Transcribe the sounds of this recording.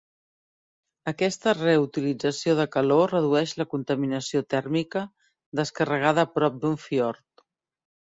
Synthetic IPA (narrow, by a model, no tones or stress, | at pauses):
əkɛst̪əreut̪ilid͡zəsioðəkəlorəð̞uɛʃləkunt̪əminəsiot̪ɛrmikə | d̪əskərəɣ̞aðəpɾɔp̚d̪uɱfiɔɾt̪